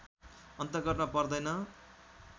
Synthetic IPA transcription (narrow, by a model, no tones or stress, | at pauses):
ʌnt̪ʌɡʌʈnʌpʌrd̪ʌjnʌ